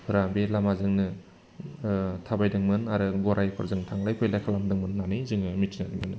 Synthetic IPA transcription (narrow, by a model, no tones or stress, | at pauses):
pʰɯɾabelamazɯŋnɯ | tʰabajdɯŋmɯnaɾɯɡɔɾajpʰɔɾzɯŋtʰaŋlajpʰɯjlajkʰalamdɯŋmɯnːanɯjzɯŋɯmitʰinanimɯnɯ